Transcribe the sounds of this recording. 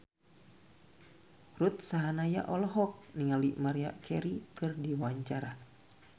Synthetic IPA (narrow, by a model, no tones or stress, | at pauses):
rut̪̚saɦanaja̰ʔɔlɔɦɔk̚niŋalimaɾia̰kʰɛɾikɨrdiwaɲt͡ʃaɾa